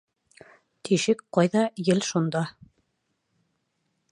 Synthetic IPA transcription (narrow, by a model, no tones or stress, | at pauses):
t̪ʰiʃɘkqɑjðɑjɘlʃund̪ɑ